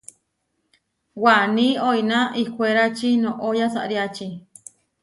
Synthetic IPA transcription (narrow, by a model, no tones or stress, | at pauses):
wanĩoinaikʷeɾat͡ʃinõʔojasa̰ʔɾjat͡ʃi